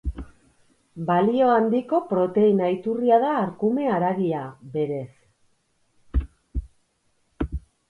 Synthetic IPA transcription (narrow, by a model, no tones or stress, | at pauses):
balio̞and̪iko̞pɾo̞t̪e̞inajt̪uriaðaːɾkume̞aɾaɣiabe̞ɾe̞s